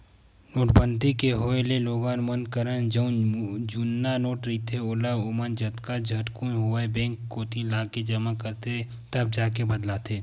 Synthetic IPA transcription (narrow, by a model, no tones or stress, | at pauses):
noːʈbə̃nt̪ikeɦoːeleloːɡãːnmənkəɾənd͡ʒɐnd͡ʒunːanoːʈɾiːt̪ʰeoːlaʊmənd͡ʒɐt̪kad͡ʒʱɐʈkũɦʊaebɛ̃ːŋkːoːt̪ilaːked͡ʒɐmakəɾt̪ʰe | t̪ɐb̚d͡ʒaːkebɐd̪lat̪ʰeː